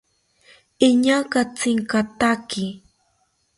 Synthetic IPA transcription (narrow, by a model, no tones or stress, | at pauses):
ɪɲakat͡sɪŋkat̪akɪ